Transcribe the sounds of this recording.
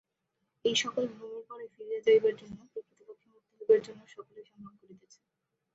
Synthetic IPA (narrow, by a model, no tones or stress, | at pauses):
ejʃɔkolbʱɾomeɾpɔɾajfiɾijad͡ʑaibaɾd͡ʑonːopɾokʰɾit̪ipokʰːimokt̪oɦobeɾd͡ʑonːoʃɔkolejʃɔmɾankoɾet̪et͡ɕʰe